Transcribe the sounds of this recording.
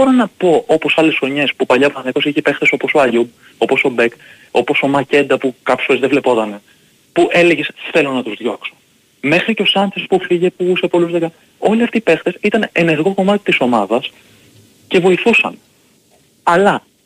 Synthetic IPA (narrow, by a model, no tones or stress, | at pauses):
bo̞ɾonɐpo̞ʔo̞po̞sɐle̞sxo̞ɲespupɐʎɐpot̪ɐnekosiiçepe̞xt̪e̞so̞po̞soɐʎub | o̞po̞so̞bek | o̞po̞so̞mɐce̞nd̪ɐpukɐpço̥sfoɾezðevle̞po̞t̪ɐne̞ | puʔe̞le̞ʝesθe̞lo̞nɐt̪uzðʝo̞kso̞̥ | me̞xɾiceo̞sɐnθespufiʝe̞puse̞po̞luzðekɐ | o̞liɐft̪iːpe̞xt̪e̞sit̪ɐne̞ne̞ɾɣo̞ko̞mɐt̪i̥t̪iso̞mɐðɐs | ce̞vo̞iθusɐ̰n | ɐlɐ